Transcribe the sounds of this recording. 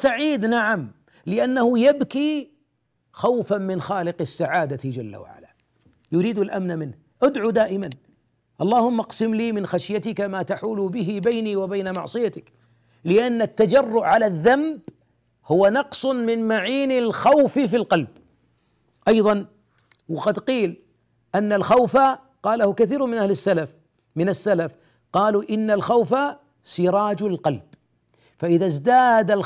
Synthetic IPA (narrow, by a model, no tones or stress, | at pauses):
saʕiːd̪naʕam | lɪʔanːahʊjabki | xawfammɪnxaːlɪqɪsːaʕaːd̪at̪d͡ʒalːa̰wa̰ʕa̰la | jʊɾiːd̪alʔa̰mnamɪnh | ʔad̪ʕud̪aːʔɪman | ʔɑlˤːɑːhʊmːaqsɪmliːmɪnxaʃjat̪ɪkamaːt̪aħuːlʊbɪɦɪbajniwabajnamɑ̰ʕsˤɨjat̪ɪk | lɪʔanːat̪ːad͡ʒɑrːʊʔʕalaðːamb | hʊwanɑqsˤmɪnmaʕiːnɪlxawfifilqɑlb | ʔɑjðˤɑn | wɪqɑd̪qiːl | ʔanːalxawfa | qɑːlahʊkaθiːɾmɪnʔahlɪsːalaf | mɪnasːalaf | qɑːluʔɪnːalxawfa | sɪɾˤɑːd͡ʒalqɑlb | faʔɪðazd̪aːd̪al